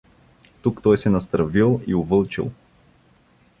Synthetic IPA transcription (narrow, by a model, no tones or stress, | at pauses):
t̪ukt̪ɔjsɛnɐst̪ɾɐvilˠḭʊvɤlˠt͡ʃḭlˠ